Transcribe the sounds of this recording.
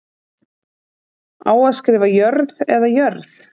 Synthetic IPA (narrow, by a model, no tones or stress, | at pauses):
a̰ːwaðskɾɪːvajœɾðɛðajœɾθ